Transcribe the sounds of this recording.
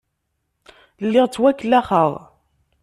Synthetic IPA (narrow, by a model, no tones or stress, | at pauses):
lːɪʁt͡sːwækːlːæχəʁ